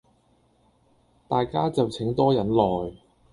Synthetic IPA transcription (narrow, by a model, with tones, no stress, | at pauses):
t̪aː˨jkaː˥t͡sɐ˨wt͡sʰɪ˨˥ŋt̪ɔː˥jɐ˨˥nlɔː˨j